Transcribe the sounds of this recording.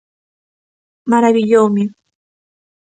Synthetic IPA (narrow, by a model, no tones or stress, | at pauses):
maɾaβɪʎowmɪ